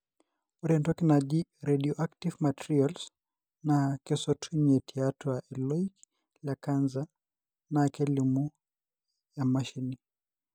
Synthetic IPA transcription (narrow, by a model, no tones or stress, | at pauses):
uɾɛndɔkinaʄiɾɛɗiɔʔaktivmatɾials | nakɛsɔtʰuɲɛtʰiatɔaɛlɔik | lakanza | nakɛlimu | jamaʃini